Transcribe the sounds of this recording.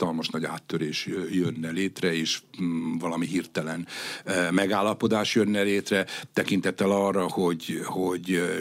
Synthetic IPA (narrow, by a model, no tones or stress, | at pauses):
ɒlmɒʃnɒɟa̰ːt̪ːøɾeːʃjønːɛleːt̪rɛeːʃvɒlɒmiɦirt̪ɛlɛnmɛɡaːlːɒpo̞d̪aːʃjønːɛleːt̪rɛt̪ɛkint̪ɛt̪ːɛlɒrːɒho̞ɟhoɟ